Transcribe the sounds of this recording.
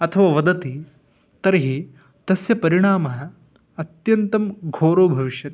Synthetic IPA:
ɐt̪ʰɐʋaːʋɐd̪ɐt̪i | t̪ɐɾɐɦi | t̪ɐsjɐpɐɾiɳ̃aːmɐɦɐ | ɐt̪jɐnt̪ɐmɡʱoːɾoːbʱɐʋiʃjɐt̪

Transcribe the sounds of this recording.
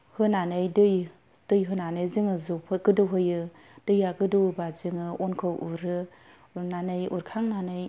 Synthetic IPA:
hɯnanɯjdɯj | d̥ɯjɦɯnanɯjzɯŋɯzopʰɯɡɯdɯwɦɯjɯ | d̥ɯjaɡɯdɯwbazɯŋɯɔnkʰɯwʔuɾɯ | nanɯjuɾkʰaŋnanɯj

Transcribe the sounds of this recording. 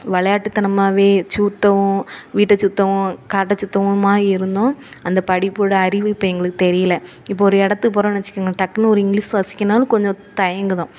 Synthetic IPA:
ʋɐɭɐjaːʈːɯt̪ːɐnɐmːaːʋeːt͡ʃuːt̪ːɐʋʊ̃ʋiːʈːɐt͡ʃut̪ːɐʋʊ̃kaːʈ̬ːɐt͡ʃːut̪ːɐʋ̃maːɪɾɯnd̪õːɐnd̪ɐpɐɽɪpːɯɽɐɐɾɪʋɯɪpːɐɛŋɡɐɭɯkːɯt̪ɛɾɪjɐlɐ | ɪpːoɔɾɯɛɽɐt̪ːɯp̬oːɾõɛnɐt͡ʃːɪ̥kːaːŋɡɐʈɐkːɐnɔɾɯɪŋɡɭiːsʋɐsɪ̥kʲːɐnaːlɯ̃kɔɲd͡ʒɔ̃t̪ɐjɐŋɡɯðõː

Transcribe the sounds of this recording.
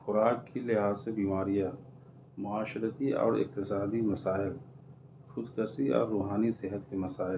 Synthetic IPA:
xʊɾaːkːilɪɦaːzsebiːmaːɾija | mʊaːʃɾət̪iɔ̰ːɾɪ̰q̚t̪ɪsaːd̪imɐsaːɪl | xʊd̪kəsiɔ̰ːɾːuːɦaːnisɪɦət̪kemɐsaːɪl

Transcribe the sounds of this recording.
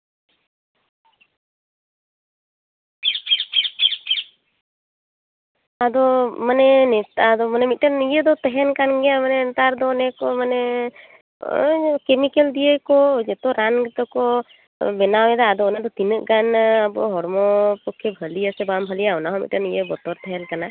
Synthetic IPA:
ad̪ɔmənɛnɛt̪ad̪ɔmənɛmit̪̚ʈənijed̪ɔt̪ɛɦɛnkanɡɛjamənɛnt̪aɾd̪ɔːnɛkɔmənɛ | kemikeld̪ijekɔd͡ʒɛt̪ɔɾaŋɡt̪ɔkɔ | bɛnawɛd̪aad̪ɔɔnɛd̪ɔt̪inɯʔɡanabɔ̰ɦɔɽmɔpɔkʰːebʱəlijasɛbambʱəlijaɔnaɦɔ̃mḭtʈənijebɔt̪ɔɾt̪ɛɦɛlkana

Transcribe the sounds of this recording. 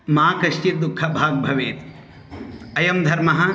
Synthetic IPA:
maːkɐʃʈid̪ukʰːɐbʱaːɡ̚bʱɐʋeːt̪i̥ | ɐjɐmd̪ʱɐɾmɐɦɐ̆

